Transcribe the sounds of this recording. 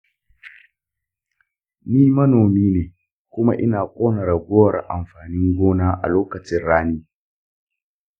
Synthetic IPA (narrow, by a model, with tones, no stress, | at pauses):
niː˦mɐ˦noː˨miː˦neː˨ | kʷʊ˦ma̰˦ʔɪ˦naː˨kʷʼoː˦nɐ˨ɾa˨ɡʷo˦wɾa̰˨ʔa˨mɸaː˨nɪ˦ŋɡʷoː˦naː˦ʔa̰˨loː˦kɐ˨t͡ʃɪ˦nɽaː˦niː˦